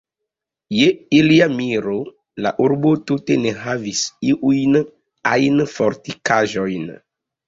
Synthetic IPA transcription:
jeiliamiɾo | la̰ʔuɾbotuteneɦavisiʔujn | ajnfɔɾtikaʒɔjn

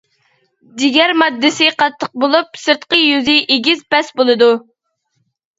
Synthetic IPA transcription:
d̪ɪɡʲɛɾmɑd̪ːɪsɪqʰɑt̪ʰːəq̚bolˠup̚sɨɾt̪qəjyzɪʔeɡʲizpɛsbolˠɨd̪u

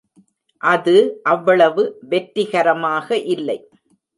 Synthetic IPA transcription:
ʔɐðɯʔɐʋːɐɭɐʋɯʋɛʈɾɪɣɐɾɐmaːɣɐʔɪlːɐɪ

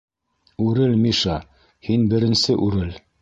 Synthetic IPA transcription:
ʉɾɘlmiʃɑ | hinbɘ̆ɾɘ̆nsɘʔʉɾɘl

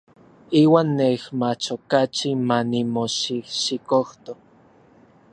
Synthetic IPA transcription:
iːwaːnːehmat͡ʃokat͡ʃimanimoʃihʃikoht̪o

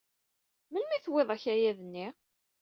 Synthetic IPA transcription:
mənmiθweðˤæçæjæðənːi

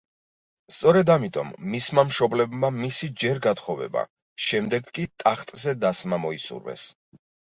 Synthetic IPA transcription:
st̪sʼɔɾɛd̪amit̪ʼɔ̰mːismamʃɔblɛbmamisid͡ʒɛɾɡat̪χɔvɛ̰ba̰ | ʃɛmd̪ɛɡkʼit̪ʼaχt̪ʼzɛd̪asmamɔisṵɾvɛ̰s

